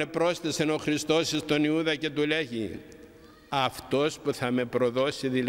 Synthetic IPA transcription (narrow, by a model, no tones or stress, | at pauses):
epɾo̞sθeseno̞xɾist̪o̞sist̪o̞niuðɐce̞t̪uleʝi | ɐft̪o̞spuθɐme̞pɾo̞ðo̞siðil